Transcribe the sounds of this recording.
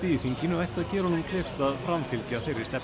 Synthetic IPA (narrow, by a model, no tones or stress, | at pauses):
t̪iːθiŋcɪnʏvajht̪aðcɛːɾɔnumkʰleːft̪afɾamfilcjaθejrɪst̪ɛ